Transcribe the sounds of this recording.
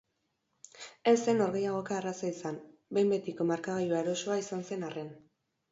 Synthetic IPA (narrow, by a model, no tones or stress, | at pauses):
ese̞no̞ɾɣe̞jaɣ̞o̞kaːrasaisanbejmbe̞t̪iko̞maɾkaɣajuaeɾo̞so̞aisanse̞nare̞n